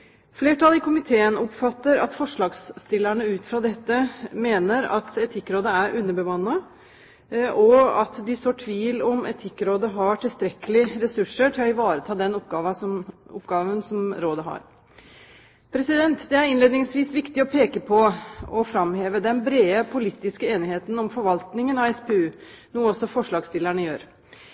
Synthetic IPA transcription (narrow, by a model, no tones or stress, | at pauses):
fleːʈɑlɪkʊmɪt̪ʰeːənɔpfɑt̪ːəɾɑ̰t̪fɔʂɭɑːɡst̪ɪlːæɳəʉːt̪fɾɑd̪ɛt̪ːəmeːnəɾɑ̰t̪ɛt̪ʰɪkːɾoːd̪əæɾʔʉnːəɾbəʋɑnːɑ | ɔɑt̪d̪ɪsoːʈʰʋiːlɔmɛ̰t̪ʰɪkːɾoːd̪əɦɑʈʰɪlst̪ɾɛkəlɪɾɛsʉʂəʈʰɪlɔɪʋɑːɾət̪ʰɑːd̪ɛnɔpɡɑːʋɑsɔmʊ̰pːɡɑːʋənsɔmɾoːd̪əɦɑ̰ɾ | pʰɾɛsɪd̪ɛnt̪d̪ɛæɾɪnleːd̪ɪŋsʋiːsʋɪkt̪ɪɔpʰeːkəpʰɔɔfɾɑmheːʋəd̪ɛnbɾeːəpʰʊliːt̪ːɪskəeːnɪheːt̪nɔmfɔɾʋɑlt̪nɪŋənɑʋɛspeʉː | nuːəɔsːɔfɔʂɭɑːɡst̪ɪlːæɳəjøːɾ